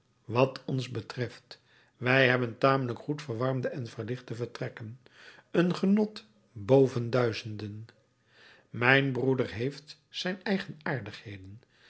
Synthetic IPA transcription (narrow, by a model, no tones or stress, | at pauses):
ʋɑtʰɔnzbətrɛft | ʋɛjɦɛbəntaːmələkχutfəɹʋɑɹmdəɛnvəɹlɪχtəvəɹtrɛkən | ənχənɔt | bowvəndœɥzəndən | mɛjnbrudəɹɦejft | sɛjnɛjχənaːɹdəχhejdən